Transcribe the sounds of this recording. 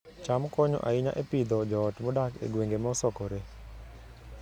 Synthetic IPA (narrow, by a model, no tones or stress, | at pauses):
t͡ʃamkɔɲɔ̰ʔaɪɲa̰ʔepid̪ɔd͡ʒɔːtmɔdakḛɡweŋɡemɔsɔkɔɾe